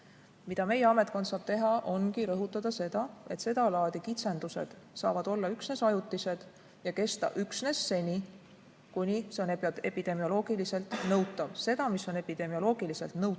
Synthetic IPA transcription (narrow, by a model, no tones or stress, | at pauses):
mid̪ɑme̞jeɑme̞t̪̚ˑkod̪̥sɑːb̥t̪e̞ɦɑʔo̞nɡiɾɤɦut̪ːˑɑd̪ɑse̞d̪̥ɑe̞t̪se̞d̪̥ɑlɑːd̪̥ikit̪se̞nd̪̥use̞̰d̪̥ | sɑ̰ːvɑd̪̥o̞lːɑyksne̞sɑjut̪ːˑise̞d̪̥ | jɑke̞st̪ɑ̰ʔyksne̞sːe̞nʲi | kunʲise̞o̞neepid̪̥e̞mio̞lo̞ːɡ̥ilise̞lt̪ˑnɤwt̪ːˑɑvse̞d̪ɑmisːo̞ne̞pid̪̥e̞mio̞lo̞ːɡ̥ilise̞lt̪nɤw̪